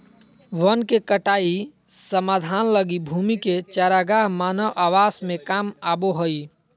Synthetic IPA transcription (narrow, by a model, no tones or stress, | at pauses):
ʋənkekəʈai | səmad̪ʱanləɡibʱumiket͡ʃaɾaɡaɦmanəwʔaʋasmekamaboɦoi